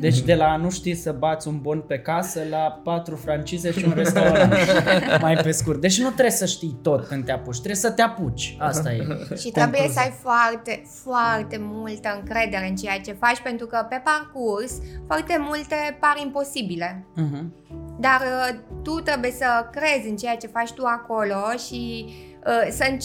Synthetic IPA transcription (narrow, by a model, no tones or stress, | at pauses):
d̪e̞t͡ʃʲd̪e̞lanuʃt̪ijsəbat̪sʲunbo̞npe̞kasəlapat̪ɾufɾant͡ʃize̞ʃiunɾesst̪onmajpe̞skurt̪̚d̪e̞t͡ʃʲnut̪ɾe̞səʃt̪ijt̪o̞t̪̚kɨnd̪eaput͡ʃʲt̪ɾe̞sət̪eaput͡ʃʲast̪ajḛʃit̪ɾebuje̞səajfoart̪e̞ | foart̪e̞mult̪əɨŋkɾe̞d̪e̞ɾe̞ɨnt͡ʃe̞jat͡ʃe̞fat͡ʃʲpe̞nt̪ɾukəpe̞parkursfoart̪e̞mult̪epaɾimpo̞sibile̞ɦ | d̪art̪ut̪ɾe̞bujesəkɾe̞zʲɨnt͡ʃe̞jat͡ʃe̞fat͡ʃʲt̪uako̞lo̞ʃi | əsəɨn